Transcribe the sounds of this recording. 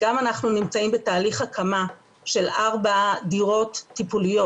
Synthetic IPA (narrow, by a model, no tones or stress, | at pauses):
ɡ̥amanaχnunimt͡saimbe̞taːliχhakʰama | ʃe̞laʁbadiʁo̞tːipulijo